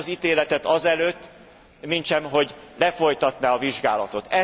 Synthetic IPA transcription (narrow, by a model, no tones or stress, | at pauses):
zit̪eːlɛt̪ɛt̪ɒzɛløːt̪ː | mint͡ʃɛmɦo̞ɟlɛfo̞jt̪ɒt̪naɒviʒɡaːlɒt̪o̞t̪ɛ